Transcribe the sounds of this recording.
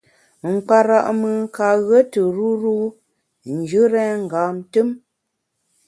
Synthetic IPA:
ŋ͡m̩˨k͡pa˨ɾa˨ʔmɨ˨˦ka˨ɣə˦tə˨ɾu˦ɾu˦ | n̩˨d͡ʒɨ˦ɾɛ˦ŋ̩˨ɡaː˨˦m˨tə˦m

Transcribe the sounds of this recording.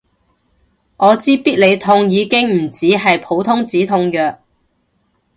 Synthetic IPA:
ŋɔː˨˧t͡siː˥piː˥t̚le˨˧jt̪ʰʊ˧ŋjiː˨˧kɪ˥ŋm̩˨˩t͡siː˨˥ɦɐ˨jpʰo˨˥wt̪ʰʊ˥ŋt͡siː˨˥t̪ʰʊ˧ŋjœː˨k̚

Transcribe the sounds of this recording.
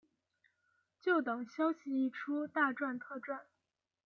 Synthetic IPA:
t͡ɕjo˥˩ʊt̪ɤ˨˩ŋɕjɑ˥ʊɕi˧˨i˥˩ʈ͡ʂʰu˥t̪a˥˧ʈ͡ʂwa˥˧nt̪ʰɤ˥˧ʈ͡ʂwa˥˩n

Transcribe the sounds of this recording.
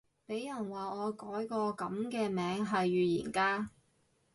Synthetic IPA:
pe˨˥jɐ˨˩nwaː˨ɔː˨˧kɔː˨˥jkɔː˧kɐ˨˥mkɛː˧mɛː˨˧ŋɦɐ˨jːyː˨jḭː˨˩nkaː˧˥

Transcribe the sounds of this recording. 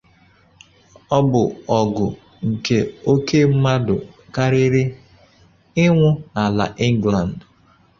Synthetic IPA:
ɔ˦bʊ˨ɔ˨ɡʊ˨ | ŋ̩˨ke˨o˦ke˦m̩˦ma˦dʊ̰˨ | ka˦ɾɪ˦ɾɪ˦ | ɪ˦ŋʷʊ˦na˨la̰˨ʔɪ˦ŋ˦ɡla˨n̩d

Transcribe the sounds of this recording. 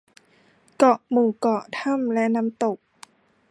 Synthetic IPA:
kɔ˨˩ʔmuː˨˩kɔ˨˩t̪ʰa˥˨mlɛ˦˥ʔna˦˥mt̪o˨˩k̚

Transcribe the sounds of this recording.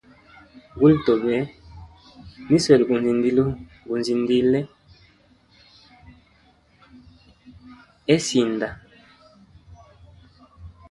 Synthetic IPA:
ɡu˦lto˨bɛ˨˦ | ni˦swɛ˨lɡu˨n˨zi˨ndi˦lu˦ | ɡu˨nzi˨ndi˦lɛ˦ | ɛ˦si˨nda˨

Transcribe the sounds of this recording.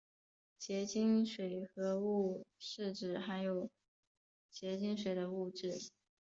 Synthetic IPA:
t͡ɕjɛ˧˥t͡ɕi˥ŋʂwe˨˩ɪxɤ˧˥u˥˧ʂɻ̩˥˧ʈ͡ʂɻ̩˥˩xa˧˥njo˨˩ʊ | t͡ɕjɛ˧˥t͡ɕi˥ŋʂ̬we˨˩ɪd̪ə˦u˥˧ʈ͡ʂɻ̩˥˩

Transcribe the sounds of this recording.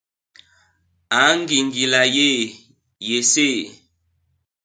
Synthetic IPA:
a˨˦ŋ˦ɡi˨ŋɡi˨la˨je˦˨ | je˨se˦˨

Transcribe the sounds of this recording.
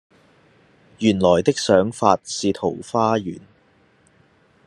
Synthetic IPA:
jyː˨˩nlɔː˨˩jt̪ɪ˥k̚sœː˨˥ŋfaː˧t̚siː˨t̪ʰo˨˩wfaː˥jyː˨˩n

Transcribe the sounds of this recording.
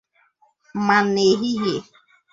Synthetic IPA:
ma˨ne˨ɦi˦ɦe˨

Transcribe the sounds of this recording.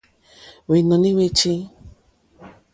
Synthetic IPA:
we˨˧i˨˧nõ˨˧nĩ˦we˧t͡ʃi˦

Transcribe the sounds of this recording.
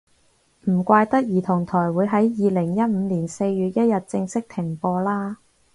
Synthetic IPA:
m̩˨˩kʷaː˧jt̪ɐ˥k̚jiː˨˩t̪ʰʊ˨˩ŋt̪ʰɔː˨˩jwuː˨˧jɦɐ˨˥jjiː˨lɪ˨˩ŋjɐ˥t̚m̩ː˨˧liː˨˩nse˧jɥyː˨t̚jɐ˥t̚jɐ˨t̚t͡sɪ˧ŋsɪ˥k̚t̪ʰɪ˨˩ŋpɔː˧laː˥

